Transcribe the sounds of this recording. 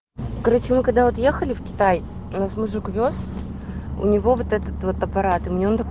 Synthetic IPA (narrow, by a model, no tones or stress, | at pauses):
ɡɐɾot͡ɕɪmɨkɐɡ̚d̪avot̪jexəlʲɪfkʲɪ̥t̪aj | ʊnasmʊʐɨkvʲos | ʊ̰nʲɪvo̞vot̪ɛt̪ət̪vo̞t̪ɐpɐɾat̪ɨmʲnʲeont̪ɐ